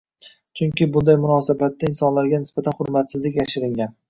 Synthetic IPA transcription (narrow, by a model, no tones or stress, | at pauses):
t͡ʃʰʊŋkʲɪbʊnd̪ajmʊnɒsabat̪ːaɪnsɒnlaɾɡʲanɪsb̥at̪ʰanχʊɾmat̪sɪzlɪkʲjaʃɪɾɪŋɡʲan